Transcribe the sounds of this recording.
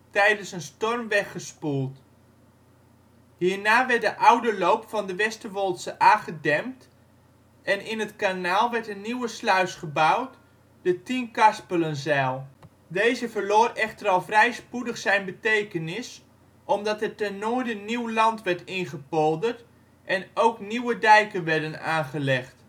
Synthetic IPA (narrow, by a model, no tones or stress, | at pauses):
tɛjdənsənstɔrmʋɛχəspulˠt | hiːrnaːʋɛrt̚dəʔawdəlowpfɑndəʋɛstəʋolˠtsəʔaːχədɛmt | ɛnɪnətkanaːlˠʋɛɹtənːiwəslœɥsχəbawt | d̥ətinkɑspələnzɛːlˠ | dejzəvərloːrɛχtərɑlˠvrɛjspudəχsɛjnbətejkənɪs | ʔɔmdɑtətɛnoːdəniwlɑntʋɛɹtɪnχəpolˠdərt | ʔɛnowkniwədɛjkənʋɛɹdəna̰ːnχəlɛχt